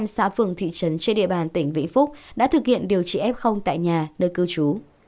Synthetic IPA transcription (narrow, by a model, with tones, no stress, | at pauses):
msa̰ː˧˥fɨ˧˩əŋt̪ʰḭ˧˨t͡ɕə˨˦nt͡ɕe˧nɗḭ˧˨əɓaː˨˩nt̪ï˧˩ŋ̟vḭ˧˥ŋ̟fʊ˦˥k͡p̚ɗa̰ː˧˥t̪ʰɨ˨˩k̚hḭ˧˨ənɗi˨˩əwt͡ɕḭ˧˩ʔɛ˦˥p̚xə˧wŋ͡mt̪a̰ː˧˨jɲaː˨˩nəː˧jkɨ˧wt͡ɕu˨˦